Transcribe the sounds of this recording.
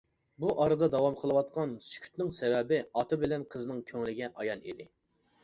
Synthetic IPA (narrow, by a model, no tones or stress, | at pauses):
buʔɑɾɨd̪ɑd̪ɑwɑmqʰəlˠɨwɑt̪̚qʰɑnsy̥kʲʰy̥t̪nɪŋsɛwɛbɪɑt̪ɨbɪlɛnqʰəzɨnɨŋkʲʰøŋlɪɡʲɛʔɑjɑlˠḭd̪ɪ